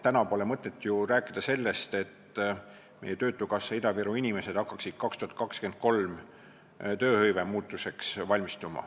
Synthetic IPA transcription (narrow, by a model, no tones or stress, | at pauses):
t̪ænɑpo̞ːlemɤt̪ːˑe̞t̪ːˑjuɾæːkːˑid̪̥ɑse̞lːe̞st̪e̞t̪ | mejet̪ø̞ːt̪ːˑukɑsːɑid̪ɑviɾuinime̞se̞d̪̥ɑkːɑksid̪̥̚kɑkst̪uhɑt̪kɑkskend̪̥̚ko̞lm | t̪ø̞ːhɤjve̞muːt̪ːˑuse̞ksvɑlʲmist̪umɑ̰